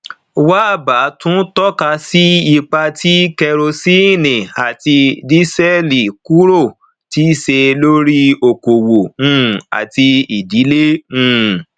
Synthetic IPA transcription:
wa˦˨ba˨˦tũ˦tɔ˦ka˧si˦i˧k͡pa˧tʰi˦kɛ˧ɾo˧si˦˨nĩ˨a˨ti˧di˦sɛ˦li˨ku˦ɾo˦˨ | ti˦i˦˨se˧lo˦ɾi˦o˨ko˨wo˨ũ˦˨a̰˨ti˧i˨di˨˦le˦ũ˦˨

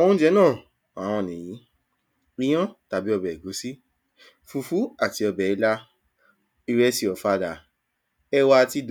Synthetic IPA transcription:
ɔ˦wɔ̃˦d͡ʒɛ˨˦nãː˦˨ | a˨˦w̃ɔ̃˧˨nĩ˨ji˨˦ | ĩ˦ɔ̃˦ta˨bi˨˦ɔ˧bɛ˨i˨ɡo˨˦si˦ | fu˧fu˨˦a˦˨ti˨˧ɔ˧bɛ˨i˨˦la˧ | i˧ɾɛ˦si˧ɔ˨fa˧da˨ | ɛ˦wa˧ti˦d

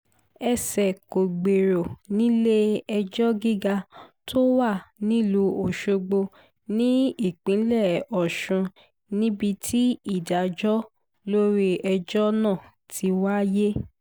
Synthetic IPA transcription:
ɛ˧sɛ˨ko˨ɡ͡be˨ɾo˨nĩ˦le˦ɛ˧d͡ʒɔ˦ɡi˦ɡa˧tʰo˦wa˦˨nĩ˦˨lo˧o˨ʃo˧ɡ͡bo˧ | nĩ˦i˦˨k͡pĩ˨˦lɛ˦˨ɔ˨ʃũ˧ | nĩ˦bi˧tʰi˦i˦˨da˨d͡ʒɔ˦ | lo˦ɾi˦ɛ˧d͡ʒɔ˦nã˦˨ | tʰi˧wa˦je˦

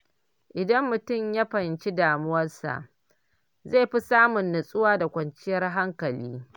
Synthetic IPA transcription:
ʔɪ˨dɐ˦mːʊ˨tʊ˦˨mja˦ɸɐ˨nt͡ʃi˦daː˨mʊ˦wɐ˦rsa̰˨ʔ | ze˦˨ɸi˦saː˦mʊ˨nːʊ˨sʼʊ˦waː˦da˨kʷɐ˨nt͡ʃɪ˦jɐ˦rɦa˦ŋkɐ˨liː˦

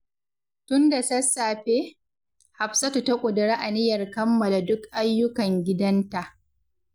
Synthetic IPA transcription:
tʊ˦nda˨sɐ˦sːaː˨ɸeː˦ | ha˨ɸsa˦tu˨tɐ˦kʷʼʊ˨dɪ˨ɾaː˦ʔa˨nɪ˦jɐ˨rkɐ˦mːɐ˨la˨dʊ˦kʔa˦jːʊ˦kɐ˨ŋɡʲɪ˦dɐ˦nta˨ʔ

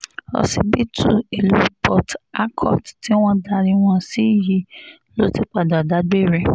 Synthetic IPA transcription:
ɔ̰˨si˨bi˦tʰu˦˨e˨lu˦pɔ˨ta˦kʰɔ̰˦˨tti˦w̃ɔ̃˦da˧ɾi˧˦w̃ɔ̃˧si˦˨ji˨˦ | lo˨˦ti˦k͡pa˨da˨da˨˦ɡ͡be˦˨ɾɛ˨

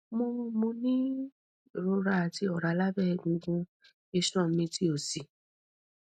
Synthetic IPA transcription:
mõ˧mo˧nĩ˦˨ | ɾo˧ɾa˧a˨ti˧ɔ˨ɾa˨˦la˦bɛ˦˧˨ɡũ˧˦ɡũ˧ | e˧ʃɔ̃˦˨mĩ˧ti˦o˨si˨

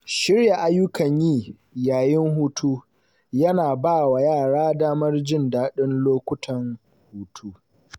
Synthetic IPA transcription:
ʃɪ˦rja˨ʔa˦jʊ˦kɐ˨ɲjiː˦ | jaː˨jɪ˦ŋɦuː˦tʰuː˦ | jɐ˦naː˨baː˦˨wa˨jaː˦˨ɽaː˦daː˦mɐ˦rd͡ʒɪ˦ndaː˦ɗɪ˦nloː˦kʷʊ˦tʰɐ˨ŋ | huː˦tʰuː˦

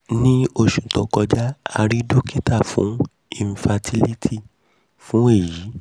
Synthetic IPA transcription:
nĩ˦o˧ʃũ˨tɔ̃˨kɔ˧d͡ʒa˦a̰˧ɾi˦do˦ki˦ta˦˨fṵ̃˨˦ | ĩ˧n̩˧fa˧tʰi˦li˦tʰi˦˨ | fũ˨˦e˦˨jiː˨˦

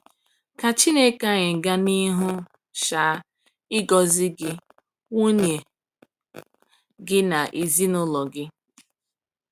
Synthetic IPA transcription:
ka˨t͡ʃi˦ne˦ka˦ɲɪ˨ŋ̩˨ɡa˦ni˦ɦʊ˦ | ʃaː˨˦ | ɪ˦ɡɔ˨zɪ˦ɡɪ˦ | wu˦nje˨ | ɡɪ˦na˨ʔi˨zi˦nʊ˦lɔ˨ɡɪ˦

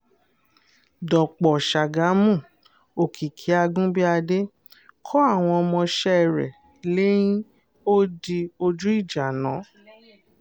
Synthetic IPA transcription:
dɔ˨k͡pɔ˨ʃa˨ɡa˨˦mũ˦˨ | o˨kʰi˨kʰi˨˦a˧ɡũ˦bi˦a˧de˦ | kʰɔ˦a˦˨w̃ɔ̃˧ɔ˧mɔ̃˧ʃɛ˦ɛ˨ɾɛ̰˨ | le˦jĩ˦ | o˦di˧o˧d͡ʒu˦i˦˨d͡ʒa˨nã˨˦

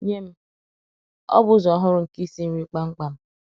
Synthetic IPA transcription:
ɲe˦m̩˦ | ɔ̰˦bʊ˦zɔ˨˦ɦʊ˦ɾʊ˨ŋ̩˨ki˦si˦m̩˦wi˦k͡pa˦ŋ͡m̩˦k͡pa˦m̩˦

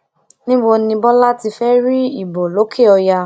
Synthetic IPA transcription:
nĩ˦wo˧nĩ˧bɔ˦la˦ti˧fɛ˦ɾi˦i˨bo˨lo˨˦kʰe˦˨ɔ˧ja˧

